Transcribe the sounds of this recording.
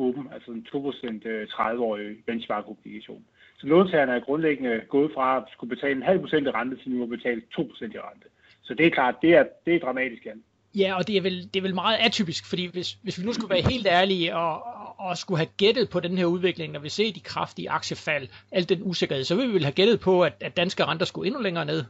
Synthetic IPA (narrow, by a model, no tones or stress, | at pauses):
ɔːb̥m̩ælsəsnt͡sʰo̝̰ːpʰʁosen̰d̥t͡sʰʁɑðˠəɒ̰ːiʋensʋɑ̈ːɡ̥omniɡ̥æɕo̝̰ːn | sɒ̽noːt͡sʰæɐnəæɐɡ̥ʁɔ̽nleɡ̥ənəɡ̥ɔ̽ːð̞̩ˠfʁɑ̈sɡ̥ub̥e̝t͡sʰɛ̰ːləenɦæl̰pʰʁo̝sen̰d̥æʁɑ̈nd̥ət͡sʰenuɒb̥e̝t͡sʰɛ̰ːlət͡sʰo̝̰ːpʰo̥sen̰d̥æʁɑ̈nd̥ə | sɒ̽d̥e̝ækʰlɑ̰̈ːd̥̚ːe̝æɐd̥e̝æɐd̥ʁɑ̈mɛ̰ːd̥isɡ̥æn | jæɒ̽d̥e̝æɐʋeld̥e̝æɐʋelmɑ̈ːð̞̩ˠæt͡sʰy̰ːb̥isɡ̥fɒd̥ḭːʋe̝sʋe̝sʋinusɡ̥uʋæːɐɦe̝̰ːld̥æɐliɒːsɡ̥uɦæɡ̥ed̥ð̩ˠpʰɒ̽denheɐuðˠʋe̝ɡ̥le̝ŋnɒʋise̝̰ːd̥ikʰʁɑ̈fd̥iəʔɑ̈ɡ̥ɕəfæl̰æl̰d̥ːenuse̝ɡ̥ɐheðˠsɒʋeʋiʋe̝lhæɡ̥ed̥ð̩ˠpʰɒ̽æd̥æ̥d̥ænsɡ̥əʁɑ̈nd̥ɐsɡ̥ue̝nuleŋɐːne̝ð̰ˠ